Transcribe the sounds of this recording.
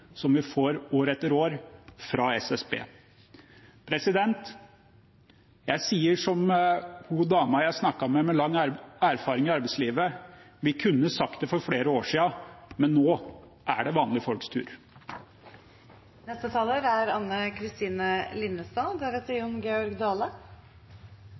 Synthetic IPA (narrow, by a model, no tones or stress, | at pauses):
sɔmʋɪfoːɾoːɾɛt̪ːəɾoːɾfɾɑːɛsɛsbḛː | pʰɾɛsɪd̪ɛnt̪ | jæɪsiːəʂɔmhud̪ɑːmɑjæɪsnɑkːɑmɛmɛlɑŋːæɾfɑːɾɪŋɪɑɾbɛɪsliːʋə | ʋɪkʰʉnːəsɑkt̪d̪ɛfɔɾfɽeːɾəoːʂiːɑmɛnːoː | ʔæ̰ɖɛʋɑːnlɪfɔlkst̪ʰʉ̰ːɾ | nɛst̪ət̪ʰɑːləɾæɾɑnːəkʰɾɪst̪iːnəlɪnːəst̪ɑd̪ɛʋɛt̪əɔmɡeːɔɾɡd̪ɑːlə